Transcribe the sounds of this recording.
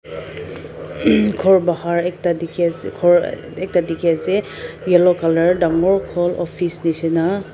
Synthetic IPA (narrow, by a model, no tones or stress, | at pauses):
kʰɔɹbahaɹɛk̚tadikʰskʰɔɹ | ɛk̚tadikʰiasɛ | ɡɛlɔkalaɹdaŋɔɹkʰɔlɔ̰pʰisnisina